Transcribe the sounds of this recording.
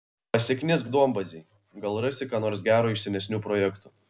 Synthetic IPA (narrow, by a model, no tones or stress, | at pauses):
ɐsʲɛkʲnʲɪsɡd̪uɔmbɐzʲɛɪ | ɡɐlˠɾɐsʲɪkɑːnoːɾs̬ɡʲæːɾuːɪʃʲsʲɛnʲɛsʲnʲuːpɾoːjɛkt̪ʊ